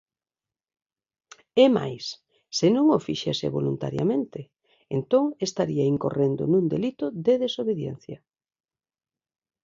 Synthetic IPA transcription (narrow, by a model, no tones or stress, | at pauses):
ɛma̰jsː | enõŋofiʃesḛβo̰lunt̪a̰ɾja̰mẽnt̪ɪ | ent̪oŋest̪aɾiaiŋkorend̪o̰nũnd̪elit̪ʊðeðesoβeðjɛnθjɐ